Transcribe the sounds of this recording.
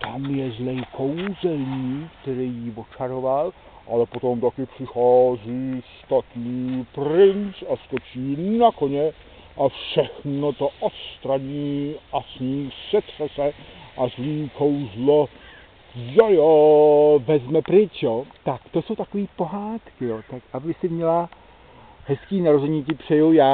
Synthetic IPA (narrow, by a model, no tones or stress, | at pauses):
t̪amjɛzlɛjkʰowzɛlɲiːkt̪ɛɾɛjjivot͡ʃaɾoval | ʔalɛpot̪omt̪akɪpr̥ɪxaːziːst̪at̪niːprɪnt͡saskot͡ʃiːnakoɲɛ | ʔafʃɛxnot̪oʔost̪ɾadiːʔasɲiːsɛt̪r̥ɛsɛʔazliːkowzlo | jajovɛzmɛpɾɪt͡ʃjot̪akt̪oso̞wt̪akoviːpo̞ɦaːt̪kɪjot̪akʔavɪsɪmɲɛla | hɛskiːnaɾozɛɲicɪpr̥ɛjujaː